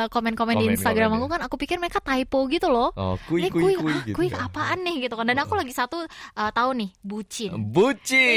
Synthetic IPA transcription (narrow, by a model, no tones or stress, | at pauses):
komɛnkomɛndiinst̪aɡɾamakukanakupikɪrməɾekat̪aipoɡit̪ulɔhkuɛuikuikapaʔanːɪhɡit̪ukandanakulaɡisat̪uʔət̪aʊnːɪhbut͡ʃɪnbut͡ʃɪ